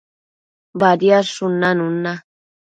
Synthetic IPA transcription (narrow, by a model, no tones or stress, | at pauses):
baɾiaʂʊnanuna